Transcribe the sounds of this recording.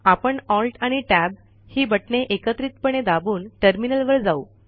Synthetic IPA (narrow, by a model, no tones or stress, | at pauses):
apəɳɔlʈaɽ̃iʈæb | hiːbəʈɳeʔekət̪ɾiːt̪pəɳ̃ed̪abuːnʈəɾminəlʋəɾd͡zau